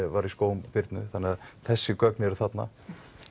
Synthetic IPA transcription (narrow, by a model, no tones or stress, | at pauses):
vaɾiskoːwmpɪɾt̪nʏθanːɪaðθɛsːɪkœknɪɛɾʏ̥θat̪na̰